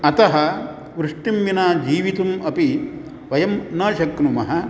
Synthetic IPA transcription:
ɐt̪ɐɦɐ | ʋɾuʂʈimʋinaːd͡ʒiːʋit̪umɐpi | ʋɐjɐmnɐːʃɐknumɐɦɐ

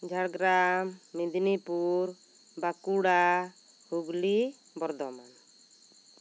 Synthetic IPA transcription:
d͡ʒʱaɽɡɾamːid̪ʱnipuɾ | bakuɽa | huɡli | bɔɾd̪ɔman

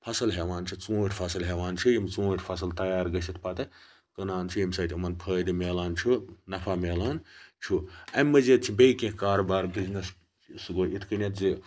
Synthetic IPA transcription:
pʰɐsɨlɦeʋaːnt͡ʃʰut͡suːʈʰʲpʰɐsɐlɦeʋaːnt͡ʃʰujimt͡sũːʈʰʲpʰɐsɨlt̪ɐjaːɾɡɐsʲit̪pɐt̪ɨ | kɐnaːnt͡ʃʰuimsɐːt̪ʰʲumɐnpʰəːd̪imeːlaːnt͡ʃʰunɐpʰameːlaːnt͡ʃʰuɐmːɐzet̪t͡ʃʰibʲejkẽhkaːɾɐbaːɾbiznɐs | sɡoʔit̪ʰkɨnʲɐt̪zi

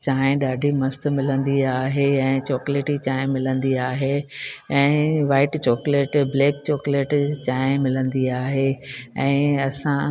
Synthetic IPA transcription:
t͡ɕaːɪ̃ɗaːɖʱimɐst̪̆mɪlə̃nd̪iaːɦeɛ̃ːt͡ɕɔːkleːʈit͡ɕaːɪ̃mɪlə̃nd̪iaːɦeɛ̃ːʋaːɪʈt͡ɕɔːkleːʈbleːkt͡ɕɔːkleːʈt͡ɕaːɦɪ̃mɪlə̃nd̪iaːɦeɛ̃ːɐsã

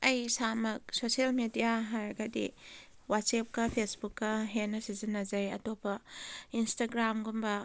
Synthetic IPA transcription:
ɐjsamɐk̚sosielmedijaɦajɾɡɐdḭ | wat̚sep̚kɐpʰesbukːɐɦenːɐsizinːɐzɐjɐ̰topɐinstaɡɾamɡumbɐ

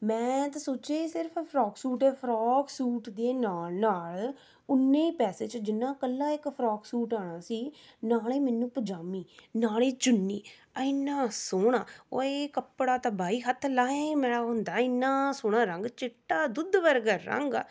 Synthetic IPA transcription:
mɛ̃ːt̪asoːt͡ʃeːsɪɾpʰpʰɾɔːksuːʈɛːpʰɾaːksuːʈd̪eːnaːlnaːl | ʊnːeːiːpɛːseːt͡ʃd͡ʒɪnːãːkəlːãːɪkpʰɾɔːksuːʈaːɽ̃aːsiːnaːleːmɛːnũːpəd͡ʒaːmiːnaːleːt͡ʃʊnːiː | əɪnːaːsoːɽaːo̰ːeːkəpɽaːt̪aːbaːiːɦət̪ʰlaːẽmɛːɽaːɦʊnd̪aːɪnːãːsʊːɽ̃aːɾəŋɡt͡ʃɪʈːaːd̪ʊd̪ʋəɾɡəɾːə̰ŋɡ

